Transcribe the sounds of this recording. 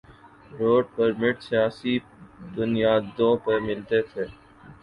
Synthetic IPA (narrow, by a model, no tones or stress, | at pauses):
ɾoːɖ̚pɐɾmɪʈsijaːsi | d̪ʊnijaːd̪õːpɐɾmɪlt̪et̪ʰeː